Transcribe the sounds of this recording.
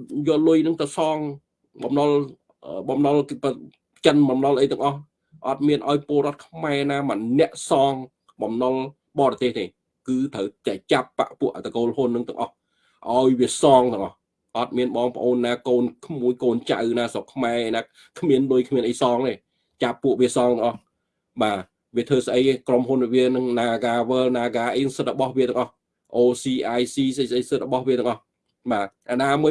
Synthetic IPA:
jɔːlʊjnɨŋt̪əsɑːŋ | ɓɑmnɑl | ʔəɓɑmnɑlp | t͡ɕənɓɑmnɑlʔəjt̪ɨ̆əŋʔɑh | ʔɑt̪̚miənʔaɔjpoəlɾŏət̪̚kʰmaɛnaːmənːɛ̆əʔsɑːŋ | ɓɑmnɑl | ɓɑːɾɑt̪eːht̪eː | kɨːt̪ʰəwt̪ɛət͡ɕapːa̰ʔpuəʔt̪ʰːakoːlɦonːɨŋt̪ɨ̆əŋʔɑh | ʔaɔjʋiəsɑːŋt̪ɨ̆əŋʔɑh | ʔɑt̪̚miənɓɑːŋpə̆ʔoːnːaːkoːnkʰmuəjkoːnt͡ɕa̰wnaːsokʰːmaɛʔənaː | kʰmiənlujkʰmiənʔəjsɑːŋt̪eː | t͡ɕapːuəʔʋiəsɑːŋt̪̆əŋʔɑh | ɓaː | ʋiət̪ʰəːsʔəjkromɦunʋiənɨŋnaːɡaːʋəːlnaːɡaːʔəjnɨŋsɨt̪̚rɔɓɑhʋiəɨəŋʔɑh | ʔoːsiːʔaːjsiːsʔəjsʔəjsɨt̪̚rɔɓɑhʋiət̪ɨəŋʔɑh | ɓaːʔaːnaːmuə

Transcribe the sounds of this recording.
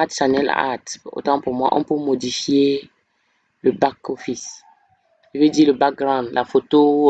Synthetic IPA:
at̪ʃanɛla̰a̰t̪o̰t̪ãpuʁmwa̰ʔɔ̃pømodifje | ləbakofis | ʒəvediləbak̚ɡɾãnd̪lafot̪o

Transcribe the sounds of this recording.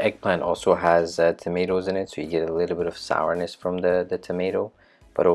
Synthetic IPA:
ʔɛɡ̚pʰl̥æ̃ntɔ̰lˠsoʊəztʰɨmeɪɾoʊzɨ̃nɨtsoʊjɨɡɛɾəlɪɾl̩ˠbɪɾʌv̥sa̰ʊə˞nɨsfɹʌ̃mðɨðɨtʰɨmeɪɾoʊ | b̥ʌ̰ɾo

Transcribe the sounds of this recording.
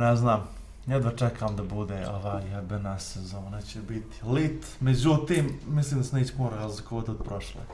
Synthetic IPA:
nɛznaːm | jɛd̪ʋat͡ʃɛkʰamd̪abud̪eʔoʋaːjabɛnasezoonet͡ɕebit̪i̥lit̪ | med͡ʑut̪iːmːisliːmd̪asneːt͡ɕe̥poɾaazlikoot̪od̪pɾoʃlḛ

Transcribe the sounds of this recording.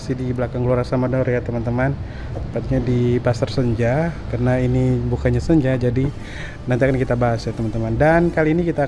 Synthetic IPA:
sidiblakaŋɡluaɾasamadɔrjat̪əmant̪əman | əpat̪̚ɲadipasərsəɲd͡ʒakarənainibukaɲasəɲd͡ʒahd͡ʒadi | nant̪iakankit̪abaɦasjat̪əmant̪əmandankaliːnikit̪a

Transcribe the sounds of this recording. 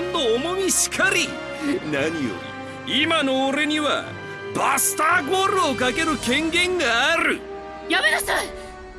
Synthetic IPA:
nd̪oːmoɲʲiɕi̥kʰaɾʲi | naɲijo̰ɲḭ | imanoːɾe̞ɲ̟iβa̰ | basɨ̥t̪aɡoɾɯokake̞ɾɯ̟kẽ̞ŋɡẽ̞ŋɡaːɾɯ | jabenasaj

